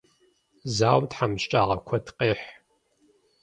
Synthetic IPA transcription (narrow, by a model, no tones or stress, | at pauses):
zaːwmtħamɕt͡ʃʼaːʁɐkʷʰɐtqʼeːħ